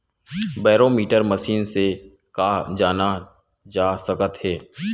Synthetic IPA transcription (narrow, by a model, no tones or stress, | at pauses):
bɛːɾoːmiːʈəɾməʃiːnse | kaːd͡ʒaːna | d͡ʒaːsəkət̪ɦɛː